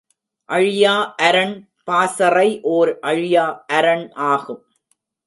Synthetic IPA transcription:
ʔɐɻɪjaːʔɐɾɐɳ | paːsɐrɐɪʔoːɾʔɐɻɪjaːʔɐɾɐɳʔaːɣɯm

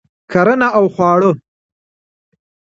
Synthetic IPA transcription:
kʰaɾənaawxwɑːɽə

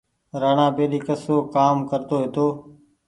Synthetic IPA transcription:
ɾaːɳãːpeːɗiːkəsoːkaːmkəɾt̪oːɦeːt̪oː

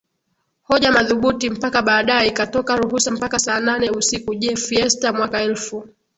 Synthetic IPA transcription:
hɔʄamaðuɓutim̩pakaɓaːɗajɛikatɔkaɾuɦusam̩pakasaːnanɛusikuʄɛfiɛstamwakaɛlfu

